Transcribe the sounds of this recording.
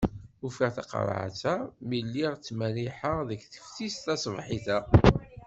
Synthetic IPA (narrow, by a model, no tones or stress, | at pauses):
ufaʁθɑ̰qɾ̰ˤʕ̰t͡sæmilːiʁt͡sːmæliħəðəkθə̥fθist̪æsˤvħiθæ